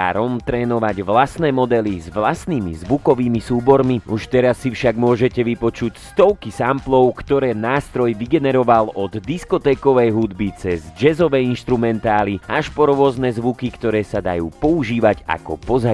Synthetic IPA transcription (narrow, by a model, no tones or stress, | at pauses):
a̰ɾɔmt̪ɾɛːnɔʋaɟʋlasnɛːmɔd̪ɛlizʋlast̪nimḭzʋukɔʋiːmisuːbɔɾmiuʃt̪ɛɾasːifʃaɡmʊɔʒɛcɛʋipɔt͡ʃucst̪ɔʊkisamplɔʊkt̪ɔɾɛːnaːst̪ɾɔjʋiɡɛnɛɾɔʋalɔd̪d̪iskɔt̪ɛːkɔʋɛjɦud̪bit͡sɛzd͡ʒɛzɔʋɛːinʃt̪ɾumɛnt̪aːliʔaʃpɔɾʊɔznɛːzʋukikt̪ɔɾɛːsad̪a̰juːpɔuʒiːʋaɟa̰kɔ̰pɔza